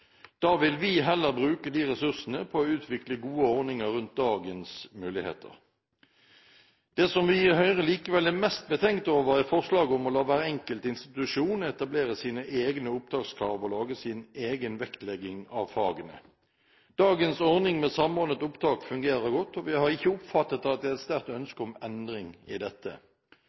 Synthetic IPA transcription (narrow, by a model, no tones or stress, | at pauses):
d̪̥ɑːʋɪlʋɪɦɛlːəʁbʁʉːkəd̪iːʁɛsʉʁsənəpʰɔːʉːt̪ʰʋɪkləɡuːəɔʁnɪŋəʁʉnt̪̚d̪ɑːɡənsmʉːlɪhḛːt̪ʰə̰ʁ | d̪̥eːsɔmʋɪɪɦœʏʁəliːkəʋɛlæmɛst̪̚bət̪ʰɛŋkt̪oːʋəʁæfɔʁslɑːɡəʊmɔlɑːʋæːʁəɛŋkəlt̪ɪnst̪ɪt̪ʉʂuːnəɛt̪ɑbleːʁəsiːnəʔeːɡnəʊp̚d̪ʁɑːkskʰʁɑːʋəɔlɑːɡəsiːneːɡənʋɛkt̪lɛɡːɪŋɑʋfɑːɡənə̰ | d̪̥ɑːɡənsɔʁnɪŋmɛsɑmɔʁnət̪ʊpd̪ɑːkfʉŋɡeːʁəʁɡɔt̪ːɔʋɪhɑʁɪçːəʊpfɑt̪ːət̪ɑt̪̚d̪ɛɛt̪st̪æʁ̚t̪œnskəɔmɛnd̪ʁɪŋɪ̰d̪ɛt̪ːə̰